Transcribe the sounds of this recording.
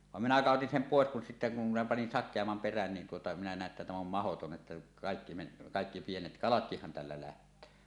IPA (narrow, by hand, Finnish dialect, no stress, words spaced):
ʋɑm minæ kɑˑotin sem poˑes kun sitːæ kum minæ pɑnin sɑkˑeɑmːɑm peræn nin tuotɑ minæ næˑe tːæ tæm om mɑhoton ʔetːæ kɑˑekːi men kɑˑekːi pienet kɑlɑtkihːɑn tælːæ læhtˑøː